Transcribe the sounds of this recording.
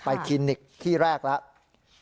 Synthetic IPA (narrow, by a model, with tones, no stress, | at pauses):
pa˧jkʰi˧nːi˨˩k̚t̪ʰiː˥˩ɾɛː˥˩k̚lɛ˦˥ʔ